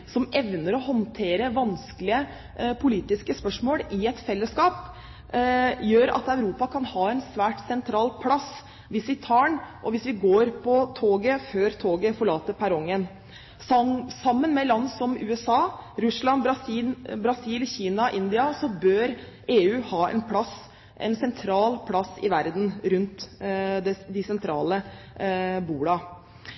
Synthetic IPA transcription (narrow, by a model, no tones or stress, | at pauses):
sɔmɛʋnəɾɔɦɔnt̪ʰeːɾəʋɑnsklɪə | pʰʊliːt̪ɪskəspœʂmoːlɪɛt̪fɛlːəskɑːp | jøːɾɑ̰t̪ɑʉɾuːpɑkʰɑnhɑːɛnsʋæːʈsɛnt̪ʰɾɑːlpʰlɑs | ʋɪsʋɪt̪ʰɑːɳʔɔʋɪsʋɪɡoːɾpʰɔt̪ʰoːɡəføːɾt̪ʰoːɡəfɔɭɑːt̪əpʰæɾɔŋːən | sɑmːənmɛlɑnsɔmʉːɛsɑːɾʉslɑnbɾɑsibɾɑsiːlçiːnɑʔɪnd̪ɪɑsɔbøːɾ | eːʉːhɑːɛ̰npʰlɑs | ʔɛ̰nsɛnt̪ʰɾɑːlpʰlɑsɪ̰ʋæɾd̪n̩ɾʉnt̪d̪ɛd̪ɪsɛnt̪ʰɾɑ̰ːlə | buːɽɑ